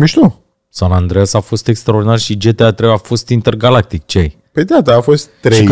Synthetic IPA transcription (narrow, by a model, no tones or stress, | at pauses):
miʃt̪u | sanand̪ɾeasafo̞st̪e̞kst̪ɾaord̪inarʃid͡ʒet̪eat̪ɾeafo̞st̪int̪erɡalak̚t̪ik̚t͡ʃej | ped̪eat̪əafo̞st̪ːɾe